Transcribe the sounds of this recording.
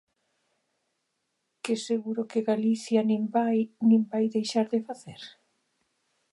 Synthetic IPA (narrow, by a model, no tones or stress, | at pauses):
keseɣuɾʊkeɣaliθjanĩmbajnĩmbajðejʃaɾðefaθeɾ